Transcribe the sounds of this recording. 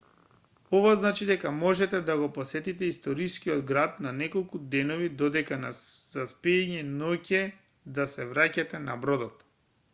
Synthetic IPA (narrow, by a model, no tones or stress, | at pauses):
ɔvaznat͡ʃid̪ɛkamɔʒɛt̪ɛd̪aɡɔposɛt̪it̪ɛist̪ɔɾiskiɔd̪ɡɾat̪̚nanɛkolˠkud̪ɛnovid̪ɔd̪ɛkanazaspiɛɲɛnɔcɛ | d̪asɛvɾacat̪ɛna̰bɾɔd̪ɔt̪